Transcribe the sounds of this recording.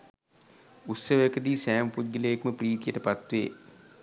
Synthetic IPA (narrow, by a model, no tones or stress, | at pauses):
ut̪səʋəekəd̪iːsæːmpud̪̚ɡiləekməpriːt̪ijəʈəpat̪ʋḛː